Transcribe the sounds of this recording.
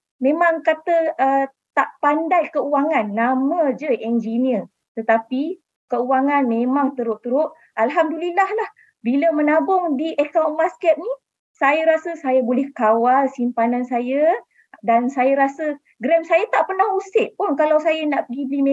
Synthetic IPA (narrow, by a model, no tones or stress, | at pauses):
mẽmaŋkat̪əə | t̪aʔpandajkəuwaŋanːamə̃d͡ʒəʔɛnd͡ʒiniər | t̪ət̪api | kəuwaŋanmẽmaŋt̪əɾʊʔt̪əɾʊʔ̪̚ | ʔalɦamdulilahlah | biləmənabʊŋdiʔəkawnmaskɛt̪̚ni | sajəɾasəsajabolɛhkawalsimpanansajə | dansajəɾasə | ɡɾɛmsajat̪aʔpərnahusɪʔ̚pʊnkalawsajənaʔpəɡibəlime